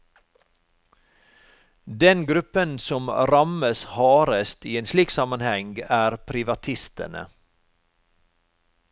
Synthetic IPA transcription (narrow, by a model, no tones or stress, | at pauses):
d̪ɛnɡɾʉpənsɔmɾɑməshɑːɾəst̪iːeːnsliːksɑmɑnhɛŋɡæːɾpʰɾɪʋɑt̪ʰɪst̪ə̰ɳə̰